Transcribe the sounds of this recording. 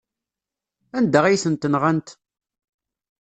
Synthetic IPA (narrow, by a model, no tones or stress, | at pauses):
ænd̪əʁijsənt̪ənʁænt̪